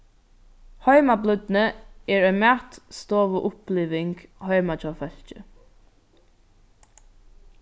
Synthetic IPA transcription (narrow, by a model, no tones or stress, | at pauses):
hɔʏmablʏd̪nəɛːɹœʏmaːt̪st̪oːʋʊʔʊpliːʋɪŋɡhɔɥmat͡ʃɔːfœɬt͡ʃə